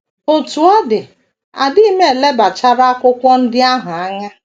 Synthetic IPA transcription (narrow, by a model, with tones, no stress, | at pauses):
o˨tu˨a˦dɪ˨ | a̰˨di˦me˦e˨le˦ba˨t͡ʃa˦ɾa˦a˦kʷʊ˦kʷɔ˦n̩˦dɪ˦a˦ɦʊ˨a˦ɲa˦